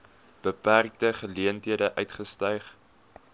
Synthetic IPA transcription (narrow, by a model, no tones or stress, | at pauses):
b̥əpærk̚təχəliəntɦiədəʔœɥtχəstœjχ